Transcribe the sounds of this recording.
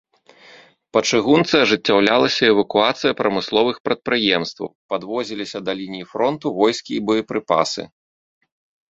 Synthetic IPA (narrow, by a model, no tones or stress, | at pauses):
pɐt͡ʂɨɣunt̪sɨɐʐɨt͡sʲːawlʲalˠɐsʲɐɛvɐkuat̪sɨjɐpɾɐmɨslˠɔvɨxpɾɐt̪̚pɾɨjɛmst̪vɐ̰wpad̪vɔzʲilʲisʲɐd̪ɐlʲinʲijifɾɔnt̪uvɔjskʲiːbɔjɐpɾɨpa̰sɨ̰